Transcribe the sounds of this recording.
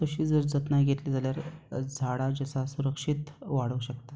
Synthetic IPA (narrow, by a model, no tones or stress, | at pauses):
t̪əɕiːd͡zəɾd͡zət̪naɡʱet̪liːd͡zʱaljaɾd͡zʱaɽad͡ʑəsasuɾəkʂit̪ʋaɽ̤uɕəkt̪a